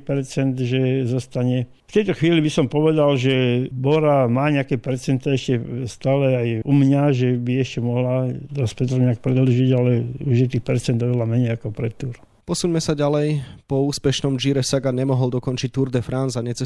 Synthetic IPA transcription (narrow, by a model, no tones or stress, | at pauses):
pɛɾt͡sɛnd̪ʒɛzɔst̪aɲɛ | ft̪ɛjt̪ɔxʋiːlibisɔmpɔʋɛd̪alʒɛbɔɾamaːɲɛakɛpɛɾt͡sɛnt̪aɛʃcɛst̪aːlɛajumɲaʒɛbiɛʃcɛmɔɦlad̪aspɛt̪ɾɔɲɛak̚pɾɛd̪l̩ʒiɟalɛuʒjɛt̪iːxpɛɾt͡sɛnd̪ɔʋɛlamɛɲɛjakɔpɾɛt̪uɾ | pɔsuɲmɛsaɟalɛjpɔuːspɛʃnɔmd͡ʒiɾɛsaɡaɲɛmɔɦɔlˠd̪ɔkɔnt͡ʃic̚t̪uɾd̪ɛfɾanzaɲɛt͡sɛ